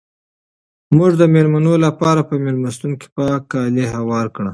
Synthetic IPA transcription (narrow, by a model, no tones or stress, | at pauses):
mʊʐd̪əmeɾmanolapɑɾapəmelmast̪uŋki̥pɑkɑleɦawɑɾkɳa